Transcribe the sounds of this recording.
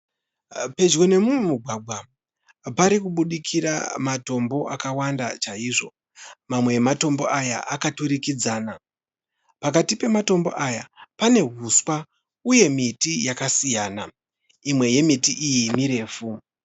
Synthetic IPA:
pe̞d͡ʒɡo̞ne̞mumemuɡʱwaɡʱwa | paɾikuɓuɗikʰiɾa̰mato̞mbo̞ʔakawanda̰t͡ʃaiʐo̞ | mamwe̞ːmato̞mbo̞̰ʔaja̰ʔakatuɾikid͡zaːna | pakatipe̞mato̞mbo̞̰ʔajapane̞ɦuswa | uje̞mitijakasijaːna | imwe̞je̞mitiʔijimiɾe̞ːfu

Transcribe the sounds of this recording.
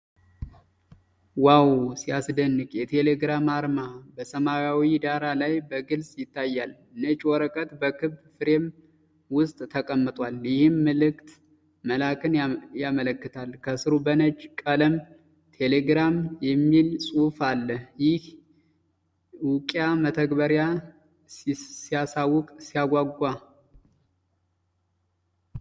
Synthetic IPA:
wawsiasd̪ənːɨkjɛt̪ʰe̞leɡɾamaɾmabəsəmajawid̪aɾalajbəɡɨlsʼjɪt̪ʰːajːal | ɨnət͡ʃːwɔɾəkʼət̪bəkʰɨbfɨɾe̞m | wʊst̪ʼt̪ʰəkʼəmːɨt̪ʼwaljɪhɨmːəlɨkt̪ | məlakʼɨnjamələkːɨt̪ʰalkʰəsɨɾubənət͡ʃʼːkʼələm | t̪ʰe̞leɡɾamjɛmːilsʼufalːəhjɪh | wʊkʼjamət̪ʰəɡbəɾja | sijasawːʊkʼsijaɡʷaɡʷa

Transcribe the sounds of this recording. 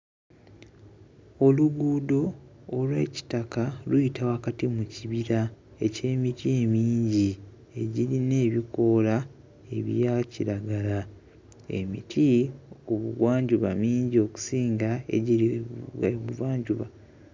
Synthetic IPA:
o̞luɡuːdo̞ː | lwḛːci̥takalujitʰawakatimuciβiɾa | e̞ce̞ːmitie̞miːɲɟi | e̞ɟiɾine̞ːβiko̞ːla | e̞βjjaciɾaɡala | ḛmḭtʰiuβuɡwaːɲɟuβa̰miːɲɟio̞ku̥siːŋɡae̞̰ɟiɾieβuɡwaːɲɟuβa

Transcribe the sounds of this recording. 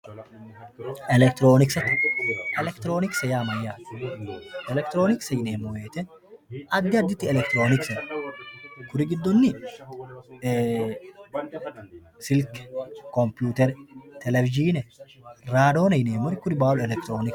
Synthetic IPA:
ʔɛlɛk̚t̪ɪɾoːnɪksɐt̪ːɪʔɛlɛkt̪ɪɾo̞ːnɪksɐjaːmɐjːaː | ʔɛlɛk̚t̪ɪɾoːnɪksɐjɪneːmʊweːt̪ɛ | ʔɐd̪ːɪɐd̪ːɪt̪ːɪɛlɛkt̪ɾo̞ːnɪksɐ | kʊɾɪɡɪd̪ːɔnːɪ | sɪlkkɔmpjuːt̪ɛɾt̪ɛlɛfɪd͡ʒiːnɛ | ɾaːd̪o̞ːnɐjɪneːmʊɾɪkʊɾɪbaːlɛlɛkt̪ɾoːnɪk

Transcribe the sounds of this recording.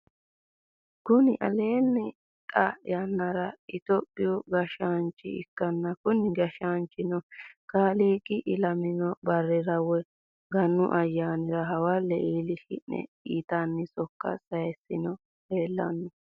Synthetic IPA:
kʊnɪʔɐ̰le̞ːnːɛ | kʼɐjɐnːɐɾɐɪt̪ɔpʼːɪjɔɡɐʃant͡ʃːɪ̰ɪ̰kːɐnːɐkʊnɪɡɐʃaːnt͡ʃɪnɔkaːliːkʼɪʔɪlɐmɪnɔbɐrːɛɾɐwɛ | ɡɐnːʊ̰ʔɐjːaːnɪɾɐɦɐwalːɛʔiːlɪkɪ̰ʔnɛ̰ | iːt̪anːɪsɔkːɐ̰sɐjɐsɪnɔ | heːlːɐ̰nːɔ

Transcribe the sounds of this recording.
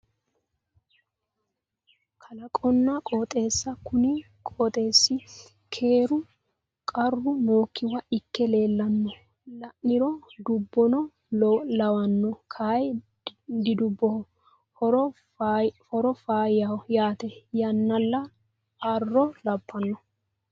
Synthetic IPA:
kʰɐlɐkʼɔnːɐkʼoːt̪ʼe̞ːsːɐkʊnɪ | kʼɔt̪ʼe̞ːsːɪ | kʰe̞ːɾʊ | kʼɐrːʊmo̞ːkːɪwɐɪkːɛle̞ːlːɐnːɔ | lɐʔɪɾɔd̪ʊbːɔnɔ | lɐwɐnːɔkʰaːj | d̪ɪd̪ʊbːɔɔ | fɔɾɔfaːjawjaːt̪ɛjɐnːɐlːɐ | ɐrːɔlɐbːɐnːɔ

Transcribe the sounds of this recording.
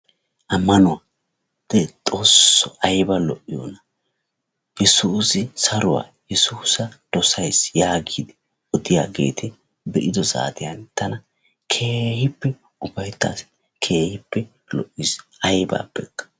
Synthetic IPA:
ʔɐmːɐnʊwaː | d̪̥ɛt̪ʼo̞ːsːɔɐjbɐlɔʔːɪjɔ̰nɐ | jɛsuːsɪsɐɾʊwa̰ːjɛsuːsɐd̪̥ɔsɐjsjaːɡiːd̪ɪ | ɔd̪ɪja̰ːɡe̞̰ːt̪ɪ | bɛʔɪd̪ɔza̰ːt̪ɪjɐnt̪ɐnɐ | kʰeːhɪpːɛ | ʊbɐjt̪ːa̰ːs | kʰe̞ːhɪpːɛ | lɔ̰ʔːɪsɐjba̰ːbɛkːɐ̥

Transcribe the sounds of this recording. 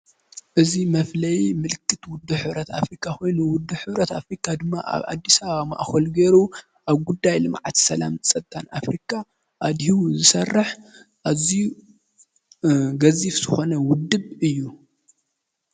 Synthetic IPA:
ʔɨzimɐflɐjmɨlkʰːɨt̪wʊd̪ːuħɨβɾɐt̪a̰fɾikʰʼːako̞jnuwʊd̪ːuħɨβɾɐt̪afɾikʰad̪ɨmːa̰ʔa̰βʕa̰d̪ːisɐβaβamaʔxɐlɡeɾu | ʔaβɡud̪ːajlɨmʕat̪ʰsɐla̰msʼɐt̪ʼːana̰fɾikʰa | ʔad̪hizɨsɐrːɨħ | ʔaziu | ɡɐzifz̥ɨxo̞nɐwʊd̪ːɨβɨjːu

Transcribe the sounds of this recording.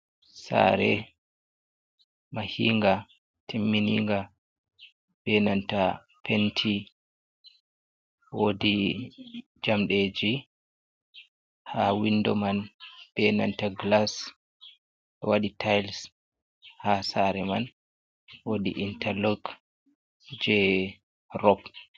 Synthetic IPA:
sa̰ɾɛ | mahiːŋɡa | tʰimːiniŋɡa | bɛnanta | pʰentʰi | wodi | d͡ʒamɗeːd͡ʒi | hawindɔmanbɛnantaɡlas | ɗɔwaɗitʰajls | hasaɾɛman | wodḭʔintʰɛlɔɡ | d͡ʒɛ | rɔp

